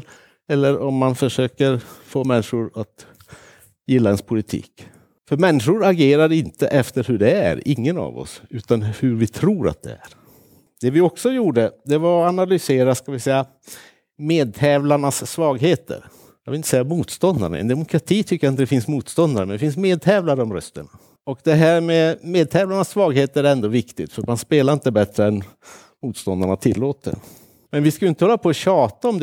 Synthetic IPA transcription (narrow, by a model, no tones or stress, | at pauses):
ɛlːəɾɔmːanfœʂøːkəɾfoːmɛnːɪʂʊɾat̪ | jɪlːaɛnspʰʊlɪt̪ʰḭːk | fœɾmɛnːɪʂʊɾaɡeːɾaɾɪnt̪əʔɛft̪əɾhɵɖɛæ̰ɾɪŋːəna̰vɔ̰sʉ̟ːt̪anhɵɾvɪt̪ʰɾuːɾa̰t̪̚d̪ɛ̰æ̰ɾ | d̪̥ɛvɪɔksɔjuːɖəd̪ɛvaɾanalʏseːɾaskavɪsɛjːa | meːd̪̚t̪ʰɛːvlaɳasːvɑːɡheːt̪ə̰ɾ | jɑɡvɪlɪnt̪əsɛjːamuːt̪st̪ɔnd̪a̰ɳa̰ɛ̰nd̪ɛmʊkʰɾat̪ʰiːt̪ʰʏkːəɾaɪnt̪əd̪ɛfɪnsmuːt̪st̪ɔnd̪aɾəmɛnɛfɪnsmeːd̪̚t̪ʰɛːvlaɾəɔmɾœst̪əɳa | ɔkd̪ɛɦæːɾmɛmeːd̪̚t̪ʰɛːvlaɳasːvɑːɡɦeːt̪əɾæɾɛnd̪oːvɪkt̪ɪt̪fœɾmanspeːlaɾɪnt̪əbɛt̪ɾəɛn | muːt̪st̪ɔnd̪aɳat̪ʰɪlːoːt̪ə̰ | mɛnvɪskajʏɪnt̪əhɔlːapʰɔːɕɑːt̪aɔmd̪